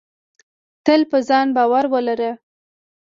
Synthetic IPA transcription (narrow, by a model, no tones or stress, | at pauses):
t̪əlpəzɑnbɑwaɾwəlaɾə